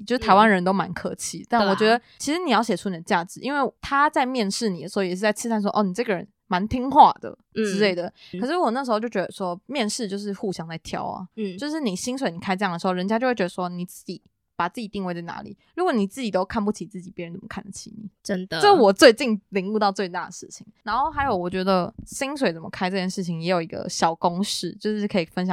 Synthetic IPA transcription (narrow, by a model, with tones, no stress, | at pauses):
jjʂ̩ɻ̩˥t̪ʰa˧˥wa˥nd̪ə˧ə˧˦nt̪o˥ʊma̰˧˦nkʰɤ̰˧˥t͡ɕʰḭ˧˥˦t̪a˥˩nwɔ˨˩t͡ɕɥɛ˧˥˧d̪ə˧t͡ɕʰi˧˥ʂɻ̩˧˥ni˨˩jɑ˥˩ʊɕjɛ˨˩ʈ͡ʂʰu˥ni˨˩d̪ə˩t͡ɕja˥˩ʈ͡ʂɻ̩˧˩ʔḭ˧˥nwe˥˩ɪt̪ʰa˥t͡sa˥˧ɪmjɛ˥˧nʂɻ̩˥˩ni˨˩d̪ə˩ʂ̩˧˥˩jʂ̬ɻ̩˥˩t͡sa˥˩ɪʈ͡ʂ̩ʰ˥sʰnʂ̬wɔ˥ʔɔ˥˩n˨˩ʈ͡ʂɤ˥˩ɡə˩ɻə̰˧˦n | ma˧˥nt̪ʰi˥ŋxwa̰˥˩d̪̥ə̰˩ | ʈ͡ʂɻ̩˧˥le˥˩ɪd̪ə˩ɤ˨˩ʂɻ̩˥˧wɔ˨˩n˥˩ʂɻ̩˧˥o˥˧t͡ɕjo˥˩ʊt͡ɕɥɛ˧˥d̪ə˧ʂwɔ˥mjɛ˥˧nʂɻ̩˥˧t͡ɕjo˥˧ʊʂ̬ɻ̩˥˧xu˥˩ɕjɑ˥ŋt͡sa˥˩ɪt̪ʰjɑ̰˥ʊɐ̰˩o˥˧ʊʂɻ̩˥˩ni˨˩ɕi˥ŋs̬we˨˦ɪni˨˩kʰa˥ʈ͡ʂɤ˧ɑ˥˩ŋdə˩ʂ̩˧o˥˩ʊə˧˦nt͡ɕja˥t͡ɕjt͡ɕɛ˧˥ə˧˩ʂwɔ˥ni˨˩t͡sɹ̩˥˩t͡ɕi˨˩˦ | pa˨˩t͡sɹ̩˥˩t͡ɕi˨˩t̪i˥˧ŋwe˥˧ɪt͡sa˥˩ɪna̰˧˥lḭ˨˩˦ɻu˧˥kwɔ˨˩˦ni˨˩t͡sɹ̩˥˩t͡ɕi˨˩t̪o˥ʊkʰa˥˧np̬u˥˩t͡ɕʰi˨˩˦t͡sɹ̩˥˩t͡ɕi˨˩pjɛ˧˥ə˧˦nt͡sə˨˩mə˦˥kʰa˥˩nd̪ə˩t͡ɕʰi˧˥˦nḭ˨˩˦ə˦˥nd̪əə˥˩˧wɔ˨˩t͡swe˥˧ɪt͡ɕi˥˧ŋli˧˥ŋu˥˧t̪ɑ˥˧ʊt͡swe˥˧ɪt̪a˥˩d̪ə˨˩ʂɻ̩˥˩t͡ɕʰi˨˩˦ŋna˧˥nxo˥˩ʊxa˧˥ɪjo˨˧˩ʊwɔ˨˩t͡ɕɥɛ˧˥d̪ə˧ɕi˥ŋswe˨˩ɪt͡sə˨˩mə̰˦kʰa˥ɪʈ͡ʂɤ˥˧t͡ɕjɛ˥˩nʂɻ̩˥˩t͡ɕʰi˨˩ŋjɛ˧˥jo˨˩ʊi˧˥ɡə̰˧ɕjɑ˨˩ʊkʊ˥ŋʂɻ̩˥˩t͡ɕjo˥˧ʊʂ̩˥˩kʰɤ˧˥i˨˩fə˧˦nɕ̬jɑ˨˩ŋ